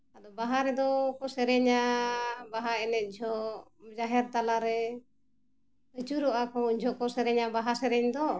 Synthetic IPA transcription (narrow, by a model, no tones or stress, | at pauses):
ad̪ɔbaɦaɾɛd̪ɔkɔsɛɾɛɲabaɦaɛnɛt̪̚ˀd͡ʒʱɔd͡ʒaɦɛɾt̪alaɾɛ | ət͡ʃuɾɔʔakɔuɲd͡ʒʱɔkɔsɛɾɛɲabaɦasɛɾɛɲd̪ɔ